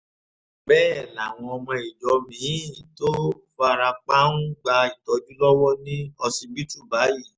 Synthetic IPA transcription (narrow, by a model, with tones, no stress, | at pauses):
bɛː˦˨la˨w̃ɔ̃˧ɔ˧mɔ̃˧i˨d͡ʒɔ˨˦mĩ˨˦˨to˦fa˧ɾa˧k͡pa˦nũ˦ɡ͡ba˧i˨tɔ˨˦d͡ʒu˦lɔ˦wɔ˦nĩ˦ɔ˧si˧bi˦tu˦˨ba˨˦ji˦˨